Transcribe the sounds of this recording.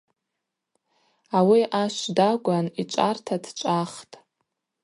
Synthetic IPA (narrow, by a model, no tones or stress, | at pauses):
awiʔaʃʷdaɡʷʼanit͡ʃʷʼartʰadt͡ʃʷʼaχtʼ